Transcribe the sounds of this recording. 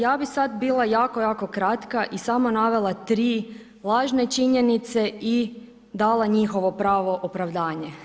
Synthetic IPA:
jaːbixsad̪biːlˠajaːko̞jaːko̞kɾat̪kaʔisamonaʋe̞lˠat̪ɾiː | lˠaːʒnet͡ʃiɲenit̪se̞i | d̪aːlˠaɲixo̞ʋo̞pɾaːʋo̞ʔopɾaʋd̪aːɲe

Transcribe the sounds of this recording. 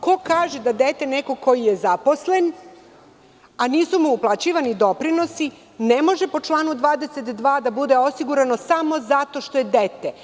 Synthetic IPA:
ko̞kaːʒed̪ad̪et̪e̞neko̞ko̞jijezapo̞sle̞n | aniːsumuuplˠat͡ɕiːʋanid̪o̞pɾino̞si | nemo̞ʒepo̞t͡ʂlˠaːnud̪ʋaːd̪eset̪d̪ʋaːd̪abud̪e̞o̞siɡuɾano̞samo̞zat̪o̞ʃt̪o̞je̞d̪et̪e

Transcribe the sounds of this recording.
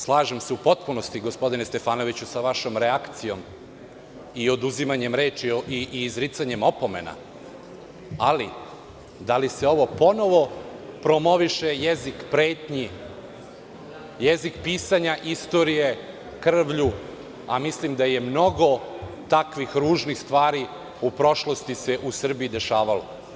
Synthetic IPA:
slˠaːʒemseupo̞t̪puno̞st̪iɡo̞spo̞d̪inest̪e̞faːno̞ʋit͡ɕusaʋaʃo̞mɾeakt̪sijo̞m | io̞d̪uzimaɲe̞mɾe̞ːt͡ʃiiiːzɾit̪saɲe̞mo̞po̞me̞̰na̰ | ali | d̪alise̞o̞ʋo̞po̞no̞ʋo̞pɾo̞mo̞ʋiʃejezikpɾe̞ːt̪ɲi | jezikpiːsaɲaʔist̪o̞ɾije̞ | kr̩ʋʎu | a̰mislimd̪ajemno̞ɡo̞t̪akʋixɾuːʒnixst̪ʋaːɾi | upɾo̞ʃlˠo̞st̪ise̞ʔusr̩bijid̪e̞ʃaːʋalo̰

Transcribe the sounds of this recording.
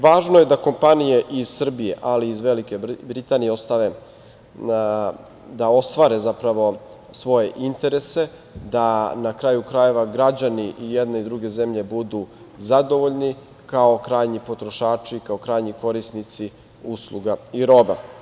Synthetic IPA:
ʋaːʒnoje̞d̪ako̞mpanije̞ʔiz̥sr̩bije̞̰ʔaliːzʋelikebɾit̪aːnijeo̞st̪aʋe̞ | d̪ao̞st̪ʋaːɾe̞zapɾaʋo̞ | sʋo̞je̞ʔint̪e̞ɾe̞se̞ | d̪anakɾaːjukɾaje̞ʋaɡɾad͡ʑaniʔijed̪ne̞id̪ɾuɡe̞zemʎe̞bud̪u | zad̪o̞ʋo̞ʎni | kao̞kɾaːjɲipo̞t̪ɾoʃaːt͡ʃikaokɾaːjɲiko̞ɾisnit̪si | uslˠuɡaiɾo̞ba

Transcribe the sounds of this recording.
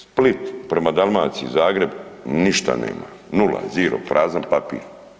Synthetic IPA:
split̪pɾe̞mad̪alˠmaːt̪sizaːɡɾe̞bniʃt̪a̰nḛːma | nula̰ziːɾo̰pɾʔaːzanpapḭːɾ

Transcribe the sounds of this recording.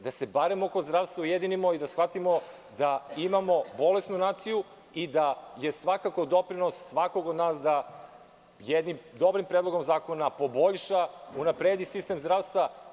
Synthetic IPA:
d̪ase̞baɾemoko̞zd̪ɾaːʋst̪vaujed̪inimo̞id̪asxʋat̪imo̞ | d̪aimamo̞bo̞le̞st̪nunaːt̪siju | id̪aje̞sʋakako̞d̪o̞pɾino̞sːʋako̞ɡod̪naːsd̪a | jed̪nimd̪o̞bɾimpɾed̪lˠo̞ɡo̞mzaːko̞napo̞bo̞ʎʃaunapɾeːd̪isist̪e̞mzd̪ɾaːʋst̪va

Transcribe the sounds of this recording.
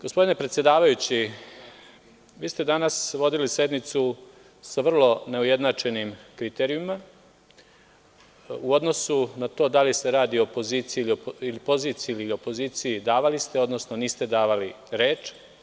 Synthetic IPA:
ɡ̥ospo̞d̪ine̞pɾet̪sjed̪aːʋajut͡ɕi | ʋiːst̪e̞d̪anasʋo̞d̪ilise̞d̪nit̪su | saʋr̩lˠo̞ne̞uje̞d̪nat͡ʃe̞nimkɾit̪eːɾijuma | uo̞d̪nosunat̪o̞ːd̪aliseɾaːd̪iopo̞ziːt̪sijiiliilipo̞ziːt̪siiliio̞po̞ziːt̪sijid̪aːʋalist̪e̞o̞d̪no̞sno̞niːst̪e̞d̪aːʋali | ɾeːt͡ʃ

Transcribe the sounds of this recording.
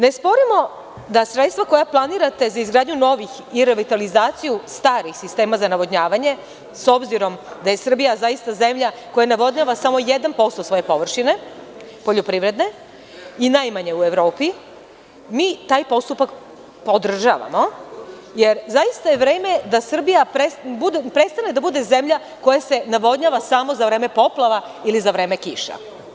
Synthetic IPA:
ne̞spo̞ɾimo̞ | d̪asɾet̪st̪vʋako̞japlˠaniɾat̪e̞zaizɡɾaːd̪ɲuno̞ʋix | iɾeʋit̪alizaːt̪sijust̪aːɾixsist̪e̞ːmazanaʋod̪ɲaːʋaɲe̞ | so̞bziɾo̞md̪aje̞sr̩bijazajist̪aze̞mʎa | ko̞janaʋo̞d̪ɲaʋasamo̞je̞d̪anpo̞st̪osʋo̞je̞po̞ʋr̩ʃine̞ | po̞ʎopɾiʋɾe̞d̪ne̞ | inajmaɲe̞ue̞ʋɾo̞ːpi | miːt̪aːjpo̞st̪upak | pod̪r̩ʒa̰ːʋa̰mo̞ | je̞ɾzajist̪ajeʋɾe̞ːme̞d̪asr̩bijapɾebud̪epɾet̪st̪aned̪abud̪e̞ze̞mʎa | ko̞jase̞naʋo̞d̪ɲaːʋasamo̞zaʋɾe̞ːme̞po̞plˠaʋa | ilizaʋɾe̞ːme̞kiʃa̰

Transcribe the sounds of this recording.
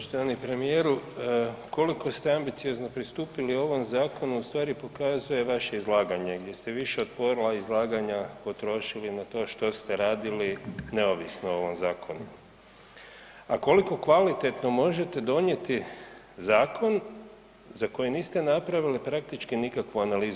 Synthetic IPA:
poʃt̪oʋanipɾe̞mije̞ːɾu | ko̞liko̞st̪eambit̪sio̞zno̞pɾist̪uːpiliuo̞ʋo̞mzaːko̞nuust̪ʋaːɾipo̞kazuje̞ʋaʃe̞izlˠaːɡaɲe̞ɡd̪je̞st̪e̞ʋiʃeot̪po̞ɾlˠaizlˠaːɡaɲapo̞t̪ɾo̞ʃilinat̪o̞ːʃt̪o̞st̪e̞ɾaːd̪iline̞oʋisnoooʋo̞mzaːkʰo̞nu | ako̞liko̞kʋalit̪e̞t̪no̞mo̞ʒe̞t̪e̞d̪o̞ɲje̞t̪i | zaːkʰo̞n | zako̞jiniːst̪e̞napɾaʋilipɾak̚t̪it͡ʃkinikakʋuanaliːzu

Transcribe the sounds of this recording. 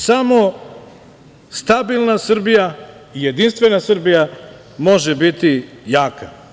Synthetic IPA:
samo̞ | st̪abilˠnasr̩bija | ijed̪inst̪ʋe̞nasr̩bija | mo̞ʒebit̪i | jaːkʰa

